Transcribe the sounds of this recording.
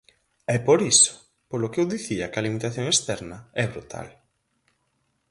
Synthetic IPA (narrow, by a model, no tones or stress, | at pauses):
ɛpoɾisʊ̥ | polʊkewðiθiɐkɐlimit̪aθjoŋest̪ɛɾnɐɛβɾṵt̪ʰa̰l